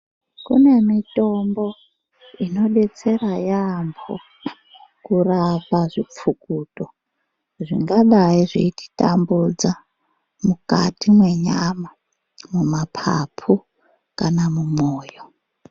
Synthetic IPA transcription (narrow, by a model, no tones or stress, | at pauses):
kṵne̞mitombo | ino̞ɗet͡serajambʰo̰ | kurapaʐip͡fukuːto | ʐiŋɡaɗaiʐiiti̥tambud͡za | mukatimweɲama | mumapʰa̰pʰu | kanamumoːjo